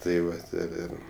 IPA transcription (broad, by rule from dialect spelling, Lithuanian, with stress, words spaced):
tɐɪ ˈʋɐt ɪr ˈɪr